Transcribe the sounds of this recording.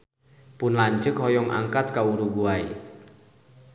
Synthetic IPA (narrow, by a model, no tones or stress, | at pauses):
pʊnlaɲt͡ʃəkhɔjɔŋʔa̰ŋkat̪̚kauɾuɡuaḭ